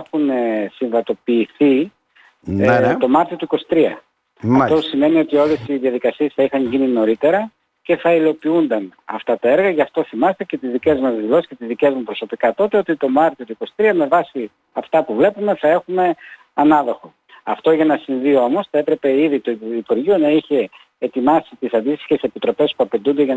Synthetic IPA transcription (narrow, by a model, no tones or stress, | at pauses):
xunsiɱvɐt̪o̞piːθi | t̪o̞mɐɾt̪io̞t̪uiko̞si̥t̪ɾiɐ | ɐt̪osime̞nio̞t̪io̞le̞siðiɐðikɐsiesθɐixɐɲʝinino̞ɾit̪e̞ɾɐ | ce̞θɐilo̞piund̪ɐnɐ̰ft̪ɐt̪ɐe̞ɾɣɐʝɐft̪o̞θimɐst̪ece̞t̪izðice̞zmɐzðilo̞si̥sce̞t̪izðice̞zmupɾo̞so̞pikɐt̪o̞t̪e̞o̞t̪it̪o̞mɐɾt̪iot̪uiko̞si̥t̪ɾiɐme̞vɐsi | ɐft̪ɐpuvle̞pume̞θɐe̞xume̞ | ɐnɐðo̞xo̞ | ɐft̪o̞ʝɐnɐsiɱvio̞mo̞sθɐe̞pɾe̞pe̞iðit̪oiipuɾʝionɐiçe̞ː | t̪imɐsit̪isɐnd̪ist̪i̥çese̞pit̪ɾo̞pe̞spuɐpend̪und̪e̞ʝɐ